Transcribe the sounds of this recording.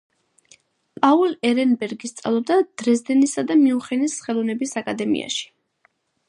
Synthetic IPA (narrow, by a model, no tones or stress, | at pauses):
pʼaulɛɾɛnbɛɾɡist̪sʼa̰lˠɔb̚d̪ad̪̥ɾɛzd̪ɛnisad̪amiuχɛnisχɛlˠɔvnɛbisakʼad̪ɛmḭa̰ʃi̥